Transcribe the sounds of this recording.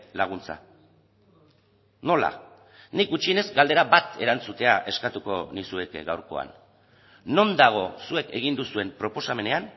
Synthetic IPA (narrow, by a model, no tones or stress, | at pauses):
laɣ̞unt͡sa̰ | no̞la̰ | nikut͡ʃiene̞zɡald̪e̞ɾabat̪e̞ɾant͡sut̪e̞aʔe̞skat̪uko̞nisue̞kɡawɾko̞̰a̰nː | o̞nd̪aɣ̞o̞sue̞ke̞ɣ̞ind̪usue̞mpɾo̞po̞same̞ne̞an